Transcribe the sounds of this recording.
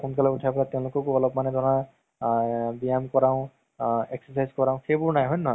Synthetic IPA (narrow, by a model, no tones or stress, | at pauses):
kunkalautʰaplatɛ̃ʊ̃lʊkɔkuɔlɔb̚manɛdɔɔna | bijamkɔɹãʊ̃ | eksɔsajzkɔɹãʊ̃xebʊɹnajɦɔjnɔɦɔj